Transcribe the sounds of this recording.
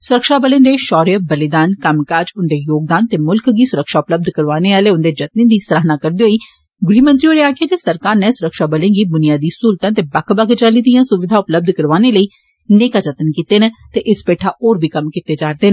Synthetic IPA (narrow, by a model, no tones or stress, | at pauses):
sʊɾəkʃaːbəlẽːd̪eːʃɔːɾijəbəlɪd̪aːnkəmkaːd͡ʒʊnd̪eːjoːɡ̚d̪aːnt̪eːmʊlkɡiːsʊɾəkʃaːʊpləb̚d̪kəɾʋaːneːaːleːʊnd̪eːd͡ʒət̪̚nĩːd̪iːsəɾaːɦnaːkəɾd̪iːɦoːiː | ɡʊɾiːmə̃nt̪ɾiːoːɾeːaːkeːt̪eːsəɾkaːɾnɛ̃ːsʊɾəkʃaːbəlẽːɡiːb̪ʊnɪjaːd̪iːsuːlt̪ãːt̪eːbəkʰbəɡt͡ʃaːliːd̪ĩjãːsʊʋɪd̪ʱaːʊpləb̚d̪ʱkəɾʋaːneːləiː | neːkaːd͡ʒət̪ənkiːt̪eːneːt̪eːʔɪspeːʈʰaːʔoːɾbʱiːkəmkit̪eːd͡ʒaːɾd̪eːnː